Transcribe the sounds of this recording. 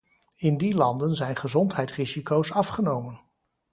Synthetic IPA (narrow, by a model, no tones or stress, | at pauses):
ɪndilɑndənzɛjnχəzɔntɦɛjtrizikowsɑfχənowmən